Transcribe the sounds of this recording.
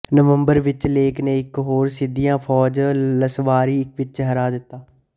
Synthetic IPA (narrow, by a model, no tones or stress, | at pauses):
nəʋə̃mbəɾʋɪt͡ʃleːknẽːɪkɦoːɾsɪd̪ijãːpʰɔːd͡ʒləsʋaːɾiːɪkʋɪt͡ʃɦəɾaːd̪ɪt̪ːaː